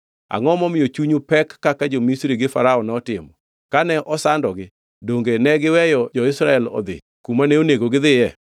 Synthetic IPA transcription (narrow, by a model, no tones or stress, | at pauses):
a̰ŋɔmɔmɪjot͡ʃuɲupɛkːakad͡ʒomisɾiɡɪfaɾaɔnɛɔtɪmɔ | kanɛʔɔsandɔɡɪ | doŋɡenɛɡɪwɛjɔd͡ʒɔɪsɾaɛlɔ̰d̪ɪ̰ | kumanɛoneɡoɡɪd̪ɪjɛ